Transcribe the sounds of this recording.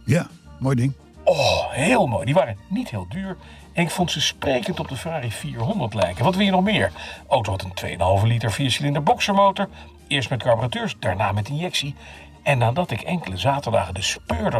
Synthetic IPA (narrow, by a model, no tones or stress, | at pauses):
ja | moːjdɪŋ | ɔɦɪːlˠmo̰ːjdiʋaːrənitɦeːlˠdyːɹ | ɛnɪkfɔntsəsprejkəntɔb̚dəfəraːrifiːɹɦɔndəɹtlɛjkənʋɑtʋɪljənɔχmɪːɹʔowtowɦɑtəntʋḛjə̰nɦɑlˠvəlitəɹfiasilɪndəɹbɔksəɹmowtəɹ | ɪːɹstmɛt̚kaɹbəratyːɹsd̥aːɹna̰ːmɛtɪnjɛksi | ɛnːaːdɑtɪkɛŋkələzaːtəɹda̰ːχədəspøːɹdə